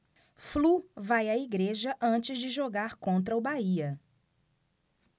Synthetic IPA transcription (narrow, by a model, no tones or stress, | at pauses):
fluvajɐiɡɾeʒɐʔɐ̃t͡ʃɪzd͡ʒɪʒoɡaɾkõnt̪ɾɐʊbaiɐ